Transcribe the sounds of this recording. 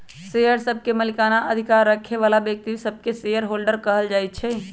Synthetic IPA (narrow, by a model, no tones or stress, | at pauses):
sejəɾsəb̚ʱkeməlikanaʔəd̪ʱikaɾːəkʰeʋalabjək̚t̪isəb̚ʱkesejəɾɦolɖəɾkəɦəld͡ʒajt̪̚t͡ʃʰɛ